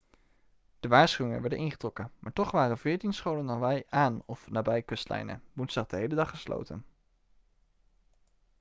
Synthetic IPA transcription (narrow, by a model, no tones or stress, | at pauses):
d̥əʋaːɹsχyɪŋə̰nʋɛɹdənʔɪŋχətrɔkənmaːɹtɔχʋaːrənvɪːɹtinsχowlənɑnʋɛjaːnɔfnaːbɛjkɔstlɛ̰jnə̰bunsd̥ɑχd̥əɦejlədɑχːəslo̰wtə̰n